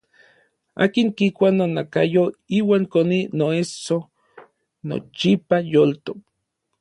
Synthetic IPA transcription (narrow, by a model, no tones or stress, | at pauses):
a̰ːkiŋkikʷanːonakajoiːwaːŋkoninoeso | no̰t͡ʃipajolt̪ok̚